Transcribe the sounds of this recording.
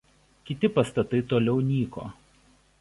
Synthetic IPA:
kʲɪt̪ʲɪpɐst̪ɐt̪ɐɪt̪oːlʲɛʊnʲiːko̰ː

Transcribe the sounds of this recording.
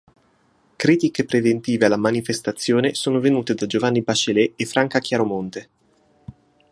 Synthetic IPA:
kɾiːt̪ikepɾevent̪iːvealːamanifest̪at̪sːjoːnesoːnovenuːt̪ed̪ad͡ʒovanːibat͡ʃelɛefːɾaŋkak̟jaɾomont̪e

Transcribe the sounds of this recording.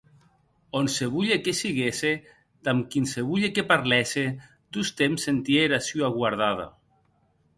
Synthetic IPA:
onseβuʎekesiɣese | t̪amkinseβuʎekepaɾlɛse | d̪ust̪emsent̪jeɾasuaɣwaɾð̞aða̰

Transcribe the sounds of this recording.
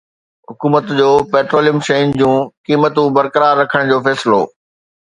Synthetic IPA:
ɦʊkuːmət̪d͡ʑoːpeːʈɾoːlijəmʃɐjnd͡ʑũːkiːmət̪ũbɐɾkəɾaːɾːɐkʰəɽ̃d͡ʑoːfɛːsɪlo̰ː

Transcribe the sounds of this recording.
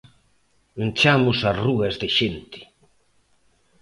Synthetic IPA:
unt͡ʃamʊsaruɣɐzðeʃent̪ɪ̥

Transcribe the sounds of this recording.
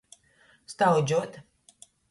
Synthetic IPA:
st̪awd͡ʒʲuɔt̪

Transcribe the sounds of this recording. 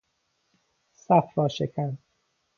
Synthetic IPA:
sæfɾɒːʃekʰæn

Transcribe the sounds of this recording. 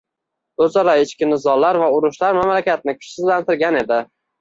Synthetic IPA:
ɵzɒɾaɪt͡ʃkʲɪnɪzɒlːaɾvaʊɾʊʃlaɾmamlakʲat̪̚nɪkʰʊ̥t͡ʃsɪzlant̪ɪɾɡʲane̞d̪ɪ

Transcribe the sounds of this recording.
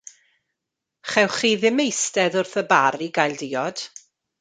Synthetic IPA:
χɛwχiːðɪmejstɛðʊrθəbaɾiɡajlˠdɪːɔd̥

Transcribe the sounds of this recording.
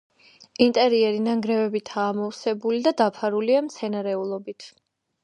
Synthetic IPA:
int̪ʼɛɾiɛɾinaŋɡɾɛvɛbit̪ʰaːmɔfsɛbulid̪ad̪apʰaɾuliamt̪sʰɛnaɾɛulˠɔbit̪ʰ

